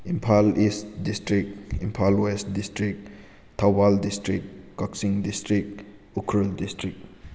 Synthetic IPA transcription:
impʰalistdistɾik̚impʰalwestdistɾik̚ | tʰawbaldistɾikːaksiŋdistɾik̚ | ukʰɾuldistɾik̚

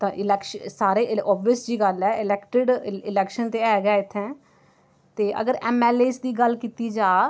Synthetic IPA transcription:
t̪ãːʔɪlɛːkʃsaːɾeːʔɔːbiəsd͡ʒiːɡəlɛːɪlɛːkʈɪɖɪlɛːkʃənt̪eːɛːɡɛːɪt̪ʰːɛ̃ː | t̪eːʔə̰ɡəɾɛːmɛːleːsd̪iːɡəlkiːt̪iːd͡ʒaː

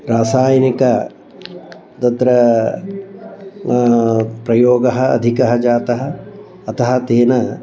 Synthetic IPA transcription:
ɾaːsaːjɐnikɐ | t̪ɐt̪ɾɐ | pɾɐjoːɡɐɦɐɐ̰d̪ʱikɐɦɐ̆d͡ʒaːt̪ɐɦɐ̆ | ɐt̪ɐɦɐ̆t̪eːnɐ

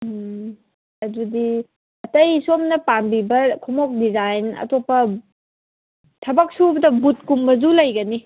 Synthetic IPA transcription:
ɐdudi | ɐtɐjsomnɐpambibɐkʰumɔk̚dizajnɐ̰topːɐ | tʰɐbɐk̚subɐdɐbut̚kumbɐzulɐjɡɐni

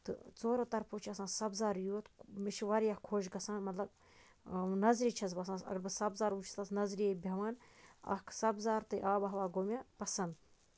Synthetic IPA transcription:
t̪ɨ̰t͡soːɾoːt̪ɐɾpoːt͡ʃʰɐsãːsɐbzaːɾjuːt̪miʃʰiʋɐɾijɐhkʰoːʃ̬ɡɐsãːnmɐt̪lɐb̚ | nɐzɾiːt͡ʃʰɐz̬bɐsãsɐ̰ɡɐɾbɨsɐbzaːɾut͡ʃʰi̥sasnɐzɾijebʲɐʋaːnɐ̰kʰsɐbzaːɾt̪ɨjʔaːbɐɦʋaːɡoːmʲɐpɐsɐnd̪

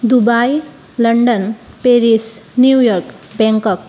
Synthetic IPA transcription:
d̪ubaj | ləɳɖən | peɾisnjujɔɾk | bɛ̃ŋkɔk̚

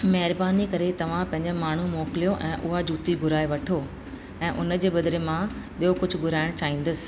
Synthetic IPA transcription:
mɛɦɪɾbaːnikɐɾet̪ɐʋ̤ãpɐ̃ɦɪ̃ɲd͡ʑɪmaːɳ̤umoːkɪlijoʔɛ̃ːʔʊɦad͡ʑuːt̪iɡʱʊɾaːeʋɐʈʰoː | ɛ̃ːʔʊnə̆d͡ʑeːɓɐd̪ɾemã | ɓijokʊd͡ʑʱʊɡʱʊɾaːɪɽ̃t͡ɕaːɦĩːn̆d̪əsɪ̥̆

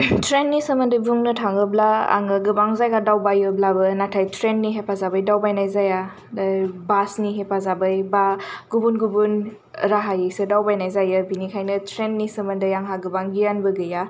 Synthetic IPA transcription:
tʰɾenːisɯməndɯbuŋnɯtʰaŋɯblaa̰ŋaɡɯbaŋzajɡadawbajɯblabɯnatʰajtʰɾenːiɦepʰazabɯjdawbajnajzaja | basniɦepʰazabɯjbaɡ̥ubunɡubun | ɾaɦajesedawbajnajzajɯbinikʰajnɯtʰɾenːisɯmɐndɯjaŋɦaɡɯbaŋɡijanbɯɡɯja

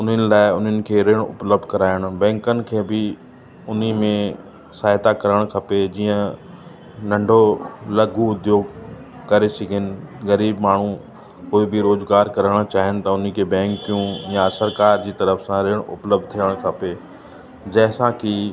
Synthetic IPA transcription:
ʊn̤ənɪ̆laːɪʊnɦənɪ̆kʰeːɾeːɽ̃ʊ̰pləb̚d̪ʱkɐɾaːɪɽ̃ʊbɛ̃ːŋkənɪ̆kʰeːbɪ | ʊnimẽ | saːɦɪt̪akɐɾəɽ̃kʰɐped͡ʑiːə̃ | nɐ̃ɳɖʱolɐɡuʊd̪joːɡ | kɐɾesɐɡʱənɪ̆ɣɐɾiːbmaːɳ̤ũ | koːibʱɪɾoːzɡaːɾkɐɾəɽ̃t͡ɕaːɦɪnɪ̆t̪ɐʊn̆kʰebɛ̃ːŋkijũjasɐɾkaːɾd͡ʑiːt̪ɐɾəfsãɾeːɽ̃ʊ̰pləb̚d̪̚t̪ʰiəɽ̃kʰɐpe | d͡ʑɐːsãki

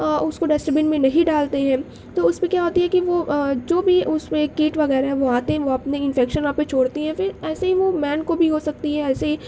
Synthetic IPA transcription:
ʊskoɖɛːsʈəbɪnmẽnɐɦĩɖaːlt̪eɦɛ̃ː | t̪oːʊsmẽkjaɦoːt̪iɦɛkiʋod͡ʒoːbʱiʊsmẽkːiːʈʋɐɣɛːɾaɦɛ̃ʋoaːt̪eɦɛ̃ʋoɐpneɪ̃nfɛːkʃənãːpet͡ʃʰoːɽt̪iɦɛ̃fɪɾɛːseɦiʋomɛːnkobʱiɦosɐk̚t̪iɦɛ̃ɛːseɦi

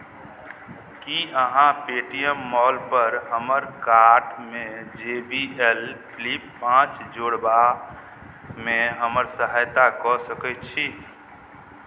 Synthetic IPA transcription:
kiʔəɦãpeʈijəmːɔlpəɾɦəməɾkaɾɖmed͡ʒebielpʰlipːãt͡ʃd͡ʒoɽba | meɦəməɾsəɦajt̪akɔsəkɛt̪t͡ʃʰi

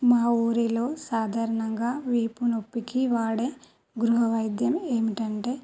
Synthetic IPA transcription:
maːuːɾilo̞ːsaːd̪ʱaːɾɐɳɐŋɡaːʋiːpuno̞pːikiʋaːɽeː | ɡɾuɦɐʋɐjd̪jɐme̞ːmiʈɐɳʈe̞ː

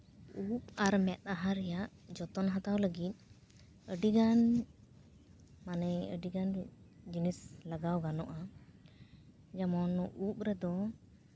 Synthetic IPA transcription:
up̚aɾmɛt̪̚ˀaɦaɾɛjaʔd͡ʒɔt̪ɔnɦat̪awləɡit̪̚ˀ | əɖiɡan | manɛə̰ɖiɡanɾid͡ʒinislaɡawɡanɔʔa | d͡ʒamɔnup̚ɾɛd̪ɔ

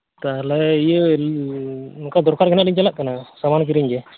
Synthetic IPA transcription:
t̪alɛjəl | ukad̪ɔɾkaɾkʰɛnaʔliɲt͡ʃalaʔkanasamankiɾiɲɡɛ

